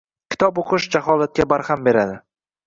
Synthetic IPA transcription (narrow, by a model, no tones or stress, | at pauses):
kʲʰɪ̥t̪ʰɒboqʰɨʃd͡ʒaɦɒlat̪̚kʲabaɾhambe̞ɾad̪ɪ